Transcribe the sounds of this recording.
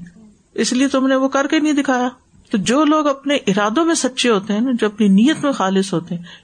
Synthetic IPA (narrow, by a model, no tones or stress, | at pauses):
ɪsliet̪ʊmneʋokɐɾkenɐɦĩd̪ɪkʰaːjaː | t̪od͡ʒoːloːɡɐpneʔɪɾaːd̪õmẽsɐtːʃeɦoːt̪eɦɛ̃ːnad͡ʒoːɐpniniːjət̪mẽxaːlɪsɦoːt̪eɦɛ̃ː